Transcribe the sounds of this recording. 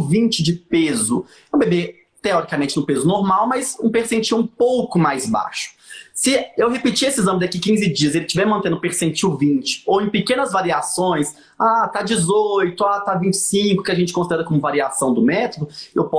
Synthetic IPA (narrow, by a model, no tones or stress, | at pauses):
vĩnt͡ʃɪd͡ʒɪpezʊ | ew̃bebe | t̪eɔɾikamẽnt͡ʃɪnʊpezʊnoɾmawmɐsũpeɾsẽnt͡ʃiwũpowkʊmajzba̰ʃʊ̥sɪewɦepit͡ʃiesɪizɐ̃mbɪd̪akikĩzɪd͡ʒiɐselɪt͡ʃivɛɾmɐ̃nt̪ẽnʊ̃peɾsẽt͡ʃiwvĩnt͡ʃɪ̥owẽj̃pɪkẽnɐzvaɾiasõj̃s | at̪ad͡ʒɪzojt̪ʊat̪avĩnt͡ʃɪ̥sĩkʊkɪaʒẽnt͡ʃɪkõsid̪ɛɾɐkõmʊvaɾiasɐ̃w̃d̪ʊmɛt̪od̪ʊewpɔ